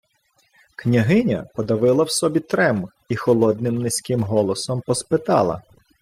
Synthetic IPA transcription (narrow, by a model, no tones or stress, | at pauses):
knʲɐɦɪnʲɐ̰pɔd̪ɐʋɪlˠɐwsɔbʲit̪ɾɛm | ixɔlˠɔd̪nɪmnɪsʲkɪmɦɔlˠɔsɔmpɔspɪt̪ɑ̰lˠɐ̰